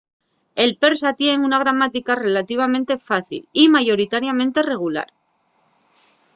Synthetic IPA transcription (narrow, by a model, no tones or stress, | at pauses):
e̞lpe̞ɾsat̪jeŋunaɣ̞ɾamat̪ikare̞lat̪iβ̞amẽ̞nt̪e̞faθḭlimaʝo̞ɾit̪aɾjamẽ̞nt̪e̞re̞ɣ̞ula̰ɾ